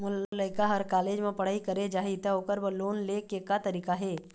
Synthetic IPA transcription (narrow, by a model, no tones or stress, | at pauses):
mʊləɪkaɦəɾkaːleːd͡ʒmẽpɐɽ̤aːikəɾed͡ʒaːɦit̪aoːkəɾbəloːnleːkeːkat̪ɐɾiːkaɦɛː